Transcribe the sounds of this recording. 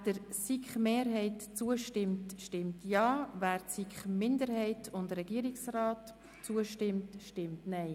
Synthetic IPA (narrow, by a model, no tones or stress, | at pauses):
d̥əɾsikχmeːɾɦɛɪtt͡suəʃtɪmtʃtɪmtjɑːvæːɾtsikχmɪndəɾhɛɪtʰʊndrɛɡ̥iːəɾiksrɑːt | t͡suəʃtɪmtʃtɪmtnɛɪ